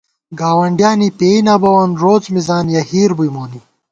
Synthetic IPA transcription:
ɡaːwɐɳɖjaːnipeːinaːbɐwɐnɾoːt͡smizaːnjɐhiːɾbujmoːni

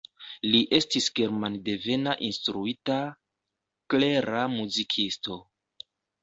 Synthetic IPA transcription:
liʔe̞stisɡe̞ɾmande̞ve̞naʔinstɾuita | kle̞ɾamuzikʰisto̞

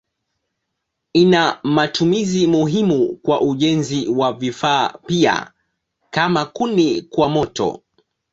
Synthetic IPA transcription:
inamatumizimuɦimukwaʔuʄɛnziwavifaːpia̰ | kamakunikwamɔtɔ̰

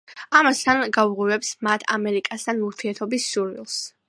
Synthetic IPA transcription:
amast̪ʰanɡauʁuvɛpsmat̪ʰa̰mɛɾikʼast̪ʰanuɾt̪ʰiɛɾt̪ʰɔbisːuɾvḭlˠs

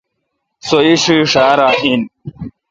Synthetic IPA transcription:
soiɕuʂaːɾaːʔin

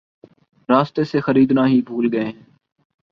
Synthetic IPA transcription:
ɾaːst̪eːseːxəɾiːd̪nãːɦiːbʱuːlɡəẽːɦɛ̃ː

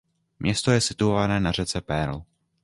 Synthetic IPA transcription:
mɲɛst̪o̞jɛsɪt̪uovanɛːnar̝ɛt͡sɛpɛɾl̩

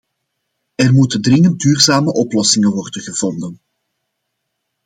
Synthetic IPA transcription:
ɛrmutəndrɪŋənt̚dyːrzaːməʔɔplɔsɪŋəʋɔrdənɣəvɔndən

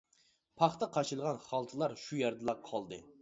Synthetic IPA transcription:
pʰɑχt̪ɑqʰɑt͡ʃʰɨlˠʁɑnχɑlˠt̪ʰɨlˠɑɾʃujɛɾd̪ɨlˠɑqʰɑlˠd̪ɨ̰

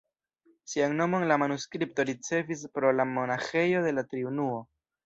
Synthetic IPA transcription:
siaŋno̞mo̞nlamanuskɾip̚to̞ɾit͡se̞vis̬pɾo̞lamo̞naxe̞jo̞de̞latɾiunuo̞

